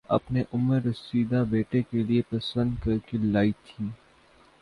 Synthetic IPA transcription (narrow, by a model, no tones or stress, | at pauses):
ɐ̰pneʔʊməɾɪsiːd̪abeːʈekeliepɐsə̃nd̪kɐɾkelaːit̪ʰĩː